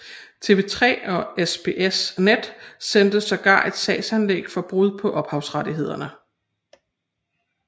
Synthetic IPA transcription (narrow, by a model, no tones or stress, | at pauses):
t͡sʰe̝ʋe̝t͡sʰʁɛ̰ːɒ̽esb̥ʰe̝ʔesned̥send̥əsɒ̽ɡ̥ɑ̰̈ːe̝d̥sɛ̰ːsænleɡ̥fɒ̽b̥ʁuðˠpʰɒ̽ʔɒ̽b̥hɑ̈ʊsʁäɾiɦe̝ð̞̰ˠɐnə